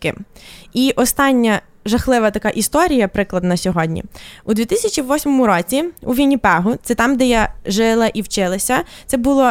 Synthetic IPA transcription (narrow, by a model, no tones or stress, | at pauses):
kɪ̰iʔɔst̪ɑnʲːɐ | ʒɐxlˠɪʋɐt̪ɐkɑʔist̪ɔɾʲijɐpɾɪklˠɐd̪nɐsʲɔɦɔdʲnʲḭud̪ʲʋʲit̪ɪsʲɐt͡ʃiʋɔsʲmɔmʊɾɔt͡sʲiuʋʲinʲipɛɦʊt̪sɛt̪ɑmd̪ɛjaʒɪlˠɐʔiwt͡ʃɪlˠɐsʲɐt̪sɛbʊlˠɔ